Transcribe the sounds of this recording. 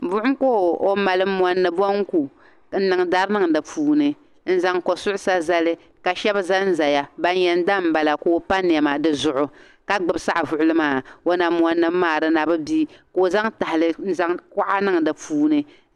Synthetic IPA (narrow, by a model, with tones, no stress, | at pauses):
bʊ˦ʔʊ˦koː˦˨o˦ma˨lɨ˦mʷ˦ɔ˦nːɨ˨bɔ˦ŋ̩˦ku˨ | n̩˦nɨ˨ŋ˨da˦ɾnɨ˦ŋdɨ˨puː˨˦nɨ˨ | n̩˦za˨ŋko˨sʊ˦ʔʊ˦sa˦za˦lɨ˦ | ka˨ʃɛ˦ba˦za˦n̩˦za˨ja˨ba˦n˦jɛ˦n̩˦da˦m̩˨˦ba˨la˨ko˦pa˦n˨ɛ˨ma˨dɨ˦zʊ˦˨ʔʊ˨ | ka˦ɡ͡bɨ˨bsa˦ʔvʊ˨ʔʊ˦lɨ˦maː˦˨o˦na˨mwɔ˦nːɨ˦mːaː˨ɾɨ˦na˨bɨ˦bi˦ko˦za˦ŋta˨hɪ˨lɨ˦n̩˦za˦ŋkʊ˦ʔa˦nɨ˦ŋ˨dɨ˨puː˦nɨ˨